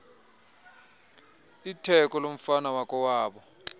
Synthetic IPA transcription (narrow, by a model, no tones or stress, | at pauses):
itʰɛkʼɔlom̩fanawakʼɔwaːɓɔ